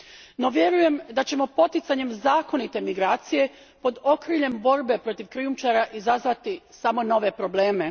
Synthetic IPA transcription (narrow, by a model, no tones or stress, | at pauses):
no̞ʋje̞ɾuje̞md̪at͡ɕe̞mo̞po̞t̪it̪saɲe̞mzaːko̞nit̪e̞miɡɾaːt̪sije̞ | po̞d̪o̞kɾiʎe̞mbo̞ɾbe̞pɾo̞t̪iʋkɾijumt͡ʃaɾaʔizazʋat̪isamo̞no̞ʋe̞pɾo̞ble̞ːme̞